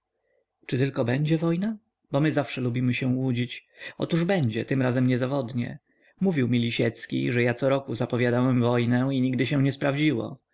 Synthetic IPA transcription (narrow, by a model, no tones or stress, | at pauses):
t͡ʂɨt̪ɘlkɔbɛɲd͡ʑɛvɔjna | bɔmɘzafʂɛlubʲimɘɕɛ̃wud͡ʑit͡ɕɔ̰t̪uʐbɛɲd͡ʑɛt̪ɘmɾazɛmɲɛzavɔd̪ɲɛ̰ | muvʲiwmʲilʲiɕɛt̪skʲḭʐɛjat̪sɔɾɔkuzapɔvʲjad̪awɛmvɔjnɛiɲiɡ̚d̪ɘɕɛ̃ɲɛspɾavd͡ʑiwɔ̰